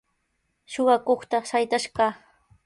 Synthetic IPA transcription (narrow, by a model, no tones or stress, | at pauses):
ʃoɢɑkoχt̪aʃajt̪aʃɢɑː